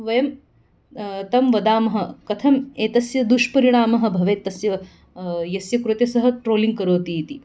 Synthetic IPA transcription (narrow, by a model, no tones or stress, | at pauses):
ʋɐjɐm | t̪ɐmʋɐd̪aːmɐɦɐ̆kɐt̪ʰɐmeːt̪ɐsjɐd̪uʃpɐɾiɳ̃aːmɐɦɐ̆bʱɐʋeːt̪ɐsjɐ | jɐsjɐkɾut̪jɐsɐɦɐ̆ʈɾoːliŋɡ̚kɐɾoːt̪iːt̪i